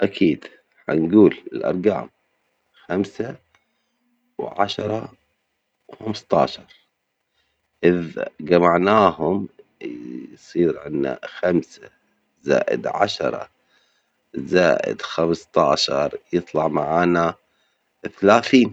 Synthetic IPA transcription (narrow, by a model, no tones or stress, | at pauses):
ʔakʰiːd̪ | ħa̰nɡuːlɪlʔɑ̰ɾˤɡa̰ːm | xamsa | wʕa̰ʃɾˤɑ | wxamst̪ˤɑ̰ːʃɑɾˤ | ʔɪðɡamaʕnaːhʊm | sˤiːɾʕɪnːa̰xamsa | za̰ːʔɪ̰d̪ʕa̰ʃɑɾˤɑ̰ | zaːʔɪ̰d̪xamst̪ˤɑːʃɑ̰ɾˤjɨt̪ˤlɑʕmaʕaːna | θalaːθiːn